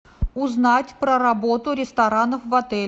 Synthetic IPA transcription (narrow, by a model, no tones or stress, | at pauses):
ʊznatʲpɾəɾɐbot̪ʊɾʲɪst̪ɐɾanəfvɐt̪ɛlʲ